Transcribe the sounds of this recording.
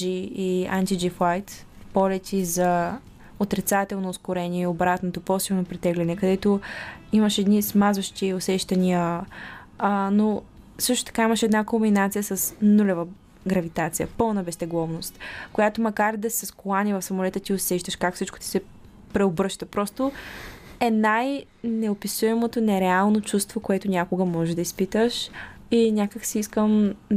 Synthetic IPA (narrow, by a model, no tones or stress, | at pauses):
iiant̪id͡ʒifajt̪ | pɔlɛt̪ʲʰizɐ | ot̪ɾit̪sat̪ɛlˠnoːskʊɾɛniɛiobɾat̪not̪opɔsilˠnopɾit̪ɛɡlʲɛnɛkɐd̪ɛt̪oiməʃɛd̪nismazəʃt̪iosɛʃt̪ɐniə | no | sɤʃt̪o̥t̪ɐ̥kaimɐʃɛd̪nakombinat̪sijəsɐsnulʲɛvə | ɡɾɐvit̪at̪sijə̰pəlˠnəbɛst̪ɛɡlˠɔvnost̪kojat̪omɐkaɾd̪ɐsɐskolˠanivɐfsɐmolɛt̪ət̪iosɛʃt̪əʃkakfsit͡ʃko̥t̪i̥sɛ | pɾɛobɾəʃt̪əpɾɔst̪o | ɛnaj | nɛopisuɛmot̪onɛɾɛalˠnot͡ʃust̪vokoɛt̪ʊnʲakoɡəmɔʒɛd̪ɐispit̪əʃ | inʲakəksiiskəm